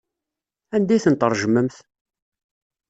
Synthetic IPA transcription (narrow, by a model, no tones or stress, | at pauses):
ænd̪æjθənt̪ˤəɾˤʒəməmθ